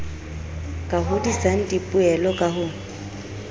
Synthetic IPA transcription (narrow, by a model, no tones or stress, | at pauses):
kʼaɦʊdisʼaŋ̩dʼipʼʊɛlɔkʼaɦʊ